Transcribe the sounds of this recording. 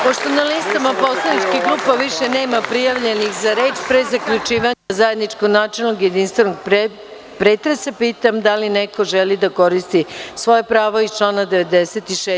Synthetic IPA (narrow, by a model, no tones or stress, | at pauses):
po̞ʃt̪o̞nalist̪amapo̞slˠanit͡ʃkiɡlˠuːpaʋiʃene̞ːmapɾijaʋʎe̞nixzaɾeːt͡ʃpɾezakʎut͡ʃiːʋazajed̪nit͡ʃkoɡnaːt͡ʃelnoɡje̞d̪inst̪ʋe̞noɡ̚p | pɾet̪ɾesapiːt̪amd̪alineko̞ʒelid̪ako̞ɾist̪isʋo̞japɾaːʋoizt͡ʃlˠaːnad̪eʋe̞d̪eset̪iʃe